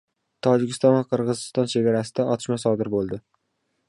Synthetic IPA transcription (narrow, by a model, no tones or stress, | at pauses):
t̪ʰɒd͡ʒɪkʲʰɪst̪ɒnvaqʰɨɾʁɨzɪst̪ɒnt͡ʃʰeɡʲaɾasɪd̪aʔɒt̪ʰɪ̥ʃmasɒd̪ɪɾbolˠd̪ɪ